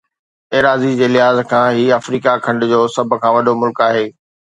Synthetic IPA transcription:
eːɾaːzid͡ʑeːlɪɦaːzkʰãːɦiːafɾiːkakʰɐ̃ɳɖʊ̆d͡ʑoːsɐbʱkʰãːʋɐɗomʊlkaːɦeː

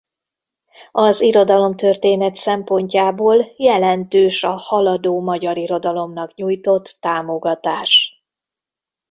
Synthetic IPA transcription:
ɒziɾo̞d̪ɒlo̞mt̪ørt̪eːnɛt̪sɛmpo̞ɲcaːboːljɛlɛnt̪øːʃɒhɒlɒd̪oːmɒɟɒɾiɾo̞d̪ɒlo̞mnɒkɲuːjt̪o̞t̪ːaːmo̞ɡɒt̪aːʃ

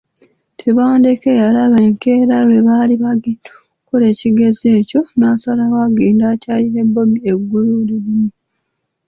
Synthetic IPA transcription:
tʰe̞βaːnde̞kejalaβeːŋke̞ːɾalwe̞βaːliβaɡitʰu̥ | kole̞ːciɡe̞ze̞ːco̞nasalawaɡeːndaːcaːliɾe̞bːo̞mieɡːululilimu

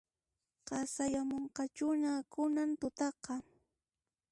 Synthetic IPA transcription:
qɑsajamoɴqɑt͡ʃʊnakʊnant̪ʊt̪ɑqɑ

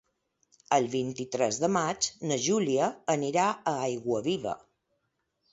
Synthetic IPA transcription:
əlˠβint̪it̪ɾɛzðəmad͡ʒnəʒuliəːniɾaəajɣwəβiβə̰

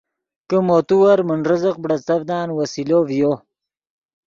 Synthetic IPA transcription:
kəmoːt̪uwɐɾməɳɾəzəq̚bɽɐt͡s̪ɐbd̪aːnwɐsilovjoː

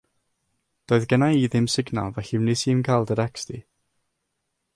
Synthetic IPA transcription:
d̥oːɨðɡənaiðɪmsɪɡnɔ̰lˠvɛɬɪwnɪsiːmkʰalˠdəɾɛksti

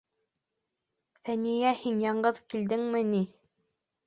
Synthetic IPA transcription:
θænijæhinjɑɴɢɤðkild̪ɘŋmɘni

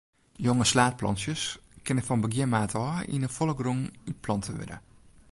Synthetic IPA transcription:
joŋəslaːt̚plɔ̰nsjəskɪnəfɔnbəɡɪəmaːtʰɔːḭnəfolˠəɡruŋyt̚pʰlɔntʰəʋɪ̰də̰

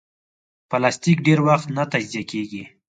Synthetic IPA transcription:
pəlast̪ikɖeɾwaxt̪nat̪ad͡ʒzijakeɡi

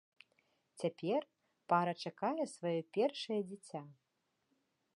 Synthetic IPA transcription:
t͡sʲapʲɛr | paɾɐt͡ʂakajɛsvajɔpʲɛrʂɐjɐd͡zʲit͡sʲa

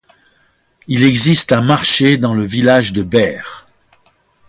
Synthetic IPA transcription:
ilɛɡzist̪ɛ̃maʁʃed̪ɑ̃ləvilaʒd̪əbɛːʁ

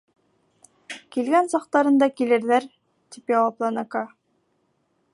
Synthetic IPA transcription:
kilɡænsɑq̚t̪ɑɾɤ̆nd̪ɑkilɘ̆ɾðæɾ | t̪ipjɑwɑplˠɑnɤ̆kɑ

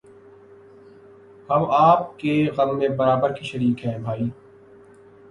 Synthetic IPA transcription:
hɐmaːp̚keɣɐmːẽbɐɾaːbəɾkiʃɐɾiːkɦɛ̃ːbʱaːiː

